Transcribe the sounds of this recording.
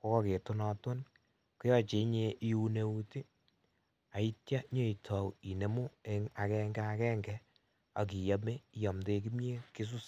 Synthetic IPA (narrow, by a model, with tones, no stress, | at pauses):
ko˦kɔ˦ke˨tu˦nɔ˨tʊ˦n | ku˦jɔ˦t͡ʃe˨˦ɲe˦ʔi˦u˦ne˦u˦ti˦ | a˨i˦tja˦ɲo˦i˨tʰɔ˨wi˨ne˨mu˦e˦ŋa˨kɛ˦ŋɡɛ˦a˨kɛ˦ŋɡɛ | a̰˨k̬i˨ja˦me˦˨jɔ˨mde˧k̬i˦mje˦ki˦s̬u˦s